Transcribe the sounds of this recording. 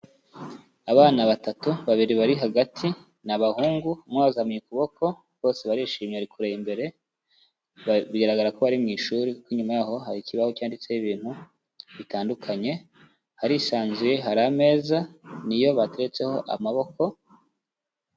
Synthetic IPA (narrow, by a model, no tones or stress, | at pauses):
aβaːnaβatatuβaβiɾiβaɾiɦaɡatʰi | naβahuːŋɡumŋaβzaamɲikuβo̞kʰo̞ | βo̞ːse̞βaɾiːʃiːmɲeaɾikuɾeimbe̞ɾe̞ | βiɡaɾaɡaɾako̞βaɾimŋiːʃuːɾikukiɲumajaːɦo̞ɦaɾikiβahocaːndit͡seiβiːn̥hu | βitaːndukʰaɲe̞ | haɾisaːnzuje̞ɦaɾame̞ːzanijo̞βate̞ɾet͡se̞ho̞ʔa̰maβo̞ko̞